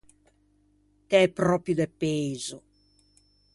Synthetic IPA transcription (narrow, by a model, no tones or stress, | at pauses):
t̪ɛpɾɔpɾjud̪epeːzu